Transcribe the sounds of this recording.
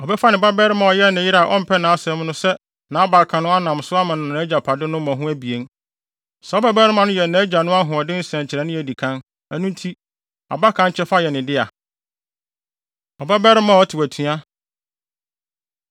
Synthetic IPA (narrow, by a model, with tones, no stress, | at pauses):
ɔ˨bɛ˦fa˦nɪ̃˨ba˦bɛ˦ɾɪ˦mã˨ɔ˨jɛ˦nɪ̃˨jɪ˦ɾa˨ʔɔ˦m̩˨pʰɛ˦nãː˨a˦sɛ̃˦m˦nʊ̃˦sɛ˦ | nã˨˦ɔ˦ba˨kʰã˨nʊ̃˦a˦nã˨msʊ˦a˦mã˨nʊ̃˨nã˨˦d͡ʑa˨pʰa˨dɪ˦nʊ̃˦mã˨ɦʊ̃˦æ˦bi˨e˦ŋ | sɛ˨ɔ˦bɛ˦bɛ˦ɾɪ˦mã˨nʊ̃˦jɛ˨nã˨˦d͡ʑa˨nʊ̃˦a˦ɦʊ̃˨ɔ˨dɪ̃˦n̩˦sɛ̃˨ɲt͡ɕʰɪ˨ɾɛ˨nʊ̃˦jɛ˨di˨kʰã˦n | æ˨nũ˦n˦tʰi˦ | a̰˨ba˦kʰã˦t͡ɕʰɛ˦fa˦jɛ˨nɪ̃˨dɪ˦a̰˨ | ɔ˨ba˦bɛ˦ɾɪ˦mã˦˨ɔ˦tʰɪ˨wæ˨tʰũ˦a˦